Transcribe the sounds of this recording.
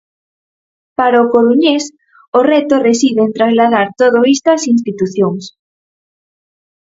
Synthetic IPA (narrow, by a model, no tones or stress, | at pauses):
paɾaʊkoɾuɲes | ʊrɛt̪oresiðent̪ɾazlaðaɾt̪oð̞oist̪asinst̪it̪uθjoŋs